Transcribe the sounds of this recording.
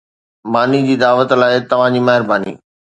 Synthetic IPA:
maːnid͡ʑiːd̪aːʋət̪laːɪt̪ɐʋ̤ãd͡ʑiːmɐɦɪɾbaːnḭː

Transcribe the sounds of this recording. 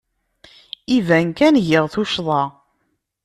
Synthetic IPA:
ivænkænʝəʁθuʃðˤɑ

